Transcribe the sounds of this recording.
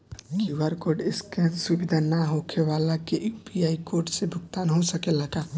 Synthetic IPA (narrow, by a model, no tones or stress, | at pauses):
kiwəɾkoɾɖɪskɛ̃subid̪ʱanaɦokʰeʋalakeʔpijaikoɾʈsebʱʊɡt̪anɦosəkelaɡa